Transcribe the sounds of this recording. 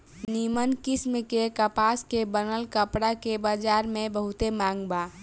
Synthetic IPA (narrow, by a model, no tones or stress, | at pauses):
nimənkismkekəpaskebənəlkəpɽakebad͡ʒaɾmẽbəɦut̪emãŋɡba